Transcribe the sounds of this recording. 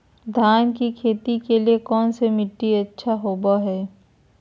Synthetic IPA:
d̪ʱaːnkikʰeːt̪ikeliekɔːnsemɪʈːiɐtːʃʰaɦoːbaɦɛː

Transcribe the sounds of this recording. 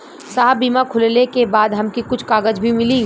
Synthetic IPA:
saːɦbiːmakʰʊllekebaːd̪ɦɐmkikʊt͡ʃʰkaːɡəd͡ʒbʱimɪli

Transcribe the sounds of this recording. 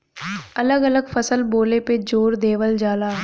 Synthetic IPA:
ɐləɡɐləɡfɐsəlboːleped͡ʒoːɾd̪eːʋəld͡ʒaːlaː

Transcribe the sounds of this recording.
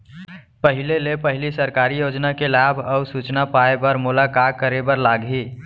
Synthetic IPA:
pəɦɪlelepəɦɪlisəɾkaːɾijoːd͡ʒnakelaːbʱɔʊɾsut͡ʃnapaebəɾmʊlakaːkːəɾebəɾlaːɡɦiː

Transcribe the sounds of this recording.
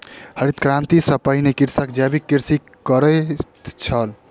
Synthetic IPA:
həɾit̪kɾãnt̪isəpəɦinekiɾsəkd͡ʒabikːiɾsi | kəɾət̪t͡ʃʰəl

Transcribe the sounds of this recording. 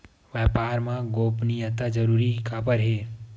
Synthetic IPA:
ʋɛːpaːɾmãɡoːpnijət̪ad͡ʒɐɾuːɾikaːpəɾɦeː

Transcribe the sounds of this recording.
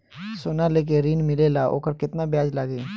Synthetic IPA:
soːnaleːk̬eɾiːnmɪlelaʔo̰ːkəɾkɪt̪nabjaːd͡ʒlaɡeː

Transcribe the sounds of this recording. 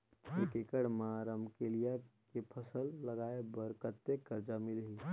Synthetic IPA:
eːkekəɽmaɾəmkelijakepʰəsəlːəɡaːebəɾkət̪ːekəɾd͡ʒamɪlɦi

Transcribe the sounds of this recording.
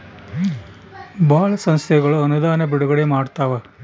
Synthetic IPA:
baːɭɐsɐnst̪ʰɛɡɐɭuɐnud̪aːnɐbiɽuɡɐɽemaːɽt̪aːʋɐ

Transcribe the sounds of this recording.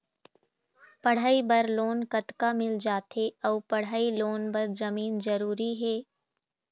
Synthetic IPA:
pɐɽ̤aːibɐɾloːnkɐt̪kamɪld͡ʒaːt̪ɦeɔːpɐɽ̤aːiloːnbɐɾzɐmiːnzɐɾuːɾiɦɛː

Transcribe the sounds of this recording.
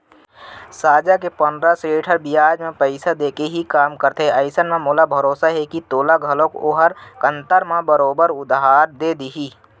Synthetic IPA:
saːd͡ʒakepənd̪ɾaseːʈʰəɾbijaːd͡ʒmẽpəɪsad̪eːkeɦikaːmkəɾt̪eəɪsənmẽmoːlabʱɐɾoːsaɦɛkit̪oːlaɡʱəlõkoɦəɾkə̃nt̪əɾmãbəɾoːbəɾʊd̪ɦaːɾd̪eːd̪iɦiː

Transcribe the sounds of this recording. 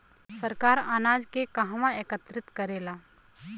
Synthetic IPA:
səɾkaːɾaːnaːd͡ʒkekɐɦʋãeːkət̪ɾɪt̪kəɾeːlaː

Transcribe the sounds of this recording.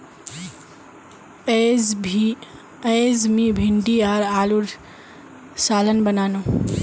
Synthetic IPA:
eːzmĩbʱɪɳɖiaːɾaːluɾ | saːlənbənaːnoː

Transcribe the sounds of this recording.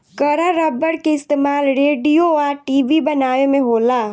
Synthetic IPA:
kɐɾaɾɐbəɽkeɪst̪eːmaːlɾeːɖijoaːɾʈiːʋibɐnaːjemẽɦoːlaː

